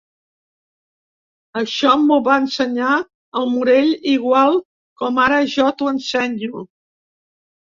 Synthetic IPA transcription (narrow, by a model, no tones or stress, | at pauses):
əʃɔmuβaənsəɲa | əlˠmuɾeʎiɣ̞walˠ | kɔmaɾəʒɔt̪uənsɛɲu